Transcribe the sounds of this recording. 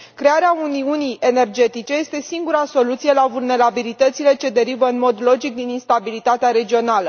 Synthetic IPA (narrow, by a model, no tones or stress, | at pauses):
kɾe̞aɾeauniunije̞ne̞rd͡ʒe̞t̪it͡ʃe̞je̞st̪e̞siŋɡuɾaso̞lut̪sije̞lavulne̞ɾabilit̪ət̪sile̞t͡ʃe̞d̪e̞ɾivəɨnmo̞d̪lo̞d͡ʒik̚d̪ininst̪abilit̪at̪eaɾe̞d͡ʒio̞nalə